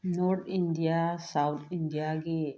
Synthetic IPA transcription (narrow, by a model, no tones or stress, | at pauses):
noɾt̪ʰinɖijasawt̪ʰinɖijaɡe